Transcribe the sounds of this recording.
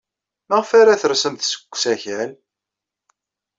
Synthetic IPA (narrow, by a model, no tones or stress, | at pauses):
məʁfaɾaθəɾsəmθsə̥kʷːsæçæl